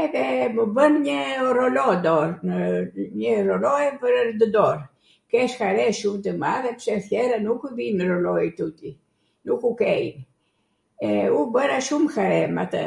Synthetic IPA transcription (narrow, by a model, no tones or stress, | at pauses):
ɛðɛməbənɲəɾɔlɔd̪ɔɾnəɲəɾɔlɔjpəɾɾd̪əd̪ɔɾ | kɛʃkaɾɛʃumt̪əmaðɛpə̥ʃɛθjɛɾanukuðinəɾɔlɔjɛt̪ut̪i | nukukɛj̰n | ɛubəɾaʃumxaɾɛma̰t̪ə̰